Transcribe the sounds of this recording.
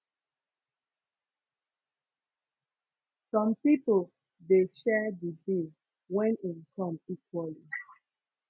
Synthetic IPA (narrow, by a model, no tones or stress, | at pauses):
sɔ̃mpipol | deʃɛdidĩ | wɛ̃nimkʰɔ̃mikwali